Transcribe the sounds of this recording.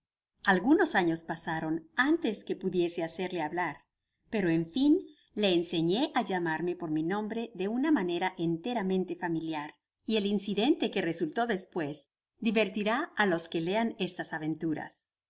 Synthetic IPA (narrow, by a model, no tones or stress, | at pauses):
alɣuno̞saɲo̞spasaɾo̞nant̪e̞ske̞puðje̞se̞ase̞ɾle̞aβlaɾ | pe̞ɾoeɱfin | le̞ːnse̞ɲe̞ʔaʝamaɾme̞po̞ɾminõ̞mbɾe̞ðe̞unamane̞ɾaʔent̪e̞ɾamẽ̞nt̪e̞familjaɾ | ie̞linsiðe̞nt̪e̞keresult̪o̞ðe̞spwe̞z | d̪iβe̞ɾt̪iɾaalo̞ske̞le̞ane̞st̪asaβe̞nt̪uɾa̰s